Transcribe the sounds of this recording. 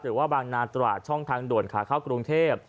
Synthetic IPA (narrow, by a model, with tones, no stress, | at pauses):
ɾɯː˨˩˦waː˥˩baː˧ŋnaː˧nt̪wa̰ː˨˩t̪̚t͡ɕʰɔ˥˩ŋt̪ʰaː˧ŋdu˨˩nkʰa̰ː˩˦kʰaː˥˩wkɾu˧ŋt̪ʰeː˥˩p̚